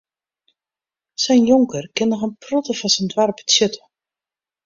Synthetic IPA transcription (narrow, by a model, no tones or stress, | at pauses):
sɛjnjoŋkərkɪnːɔxənprɔtəfɔnsəndwarptjøtʰə̥